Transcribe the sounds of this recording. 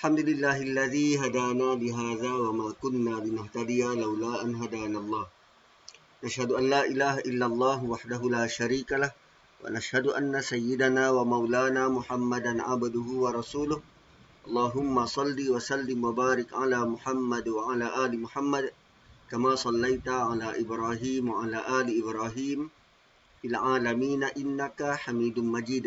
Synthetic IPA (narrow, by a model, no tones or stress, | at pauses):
ʔalħamd̪ʊlɪlːaːɦʔalːaðiːɦad̪aːnaːlɪɦaːðaːwamaːkʊnːaːlɪnaht̪ad̪ɪjaːlawlaːʔanɦad̪aːnalˤːɑːh | naʃhad̪ʊʔanːaːʔɪlaːɦaʔɪlːalˤːaːɦʊwaħd̪aɦʊlaːʃaɾiːkalah | wa̰naʃhad̪ʊʔanːasajːɪd̪anaːwamawlaːnaːmʊħamːad̪anʕa̰bd̪ʊɦʊwɑɾˤɑsuːlʊh | ʔɑlˤːɑːɦʊmːasˤɑlːiːwasalːɪmwabaːɾɪkʕalaːmʊħamːad̪waʕalaːʔaːlɪmʊħamːad̪ | kamaːsˤɑlːajt̪ʕalaːʔɪbɾaːɦiːmwaʕalaːʔaːlɪʔɪbɾaːɦiːm | fɪlʕaːlamiːnaʔɪnːakaħamiːd̪ʊmad͡ʒiːd̪